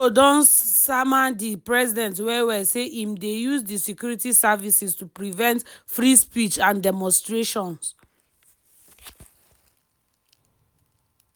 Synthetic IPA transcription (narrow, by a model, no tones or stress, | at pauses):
odɔ̃nsamãndipɹɛzidɛ̃ntwɛwɛseʔĩmdejuzdisɛkjuɹitisavisistupɹivɛ̃ntfɹispit͡ʃãndɛmɔ̃nstɹeʃɔ̃ns